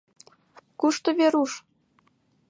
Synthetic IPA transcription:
kuʃt̪ŏβeɾuʃ

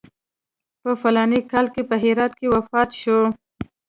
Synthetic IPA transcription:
pəfalɑnikɑlkepəɦɪɾɑt̪kewafɑt̪ʃo

